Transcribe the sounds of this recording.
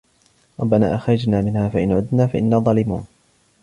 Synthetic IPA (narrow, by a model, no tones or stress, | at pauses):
ɾˤɑbːana̰ːʔaxɾˤɑd͡ʒnaːmɪnhaːfaʔɪnʕʊd̪naːfaʔɪnːaːðˤɑːlɪmṵːn